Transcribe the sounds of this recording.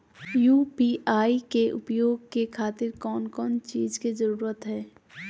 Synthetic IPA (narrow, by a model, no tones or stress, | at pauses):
juːpiːʔaːikeʔʊ̰pjoːɡ̚kekʰaːt̪ɪɾkɔːnkɔːnt͡ʃiːzkizɐɾuːɾət̪ɦɛː